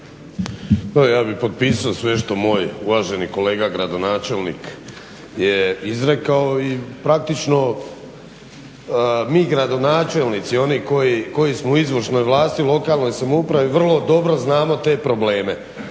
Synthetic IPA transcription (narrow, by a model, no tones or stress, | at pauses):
t̪ajaːbipo̞t̪̚piːsaosʋe̞ʃt̪o̞mo̞ːjuʋaʒe̞niko̞leːɡaɡɾad̪o̞naːt͡ʃe̞lˠnḭk | jeizɾekaoipɾak̚t̪it͡ʃno̞ | miːɡɾad̪o̞naːt͡ʃe̞lnit̪sio̞niko̞jiko̞jismouizʋrʃno̞jʋlˠaːst̪iulo̞kaːlˠno̞jsamoupɾaʋiʋr̩lˠo̞d̪o̞bɾo̞znaːmo̞t̪e̞ːpɾo̞ble̞ːme̞